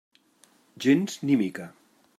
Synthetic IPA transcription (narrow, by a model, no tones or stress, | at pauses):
ʒenznimika